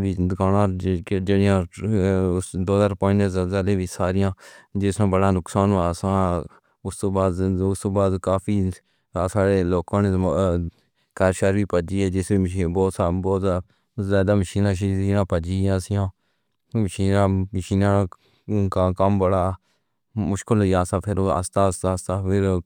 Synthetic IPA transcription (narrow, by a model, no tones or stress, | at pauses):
ʋiːd̪kaːnãːd͡ʒeːɽɪjãː | d̪oːd̪əːɾpoːɪ̃nezəzəleːʋiːsaːɾɪjãːd͡ʒɪsnãːbəɽaːnʊksaːnaːsãː | ʊst̪õːbaːd̪st̪õːbaːd̪kaːpʰiː | saːɽeːloːkãːne | kaɾʃəɾbiːpəd͡ʒiːɛːd͡ʒɪsbiːibɔːt̪saːbɔːt̪ | zaːd̪aːməʃiːnãːʃːiːnãːpəd͡ʒiːãːsɪjãː | məʃiːnãːməʃiːnaː | kakəmbəɽaː | mʊʃkɪlɦʊiːjaːsaːpʰɪɾə̰st̪aːəst̪aːst̪aːpʰɪɾ